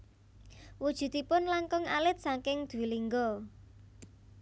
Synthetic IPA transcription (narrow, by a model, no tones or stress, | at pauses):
wud̥ʒ̥ṳd̪̥ipʊnlaŋkɔŋalɪt̪̚saŋkɪŋd̪̥ṳwiliŋɡɔ